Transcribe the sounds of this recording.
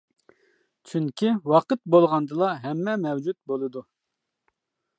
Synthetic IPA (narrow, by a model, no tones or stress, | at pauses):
t͡ʃʰyŋkʲʰiwɑqət̪̚bolˠʁɑnd̪ɨlˠɑɦɛmːɛmɛwd͡ʒut̪̚bolˠɨd̪u